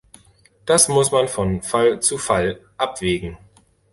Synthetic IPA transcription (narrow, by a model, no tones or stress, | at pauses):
d̥asmʊsmanfɔnfalt͡sufalʔapv̥eːɡŋ̩